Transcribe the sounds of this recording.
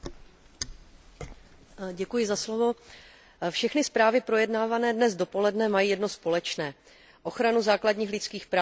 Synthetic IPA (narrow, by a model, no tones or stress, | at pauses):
ɟɛkujɪzaslovo̞ | fʃɛxnɪspɾaːvɪpɾo̞jɛdnaːvanɛːdnɛzdo̞po̞lɛdnɛmajiːjɛdno̞spo̞lɛt͡ʃnɛː | ʔo̞xɾanuzaːkladɲiːxlɪt͡skiːxpɾaː